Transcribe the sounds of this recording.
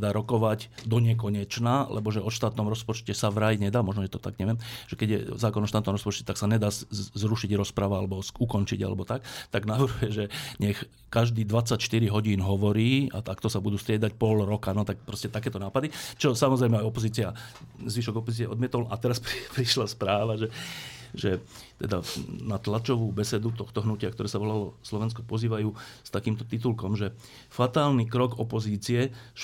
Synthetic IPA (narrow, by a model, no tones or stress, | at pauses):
d̪aːɾɔkɔʋaɟd̪ɔɲɛkɔɲɛt͡ʃnaːlʔɛ̰bɔʒɛɔʃt̪aːt̪nɔmɾɔspɔt͡ʃcɛsaʋɾajɲɛd̪aːmɔʒnɔɛt̪ɔt̪a̰ɡɲɛʋɪɛmʒ̥ɛkɛɟjɛ̰zaːkɔnɔʃt̪aːt̪nɔmɾɔspɔt͡ʃcɛt̪aksaɲɛd̪aːzɾuʃiɟɾɔspɾaʋaalɛbɔukɔnt͡ʃḭɟa̰lɛ̰bɔt̪ak̚t̪aɡnaʋrɾɦujɛʒɛɲɛx | kaʒd̪iːd̪ʋat͡sːacʃt̪iɾiɦɔɟiːnɦɔʋɔɾiːa̰t̪akt̪ɔsabud̪uːst̪ɾɪɛd̪acpɔlɾɔkanɔt̪ak̚pɾɔscɛt̪akɛːt̪ɔnaːpad̪it͡ʃɔsamɔzɾɛjmɛajɔpɔziːt͡siazʋiʃɔɡɔpɔziːt͡siɛʔɔ̰d̪mɪɛt̪ɔlʔa̰t̪ɛɾasppɾiʃlaspɾaːʋaʒɛʒɛ | t̪ɛd̪a̰nat̪lat͡ʃɔʋuːbɛsɛd̪ut̪ɔxt̪ɔɦnucɪakt̪ɔɾɛːsaʋɔlalɔslɔʋɛnskɔ̥pɔziːʋajuːst̪akiːmt̪ɔ̥t̪it̪ulkɔmʒɛ | fat̪aːlniːkɾɔɡɔpɔziːt͡siɛ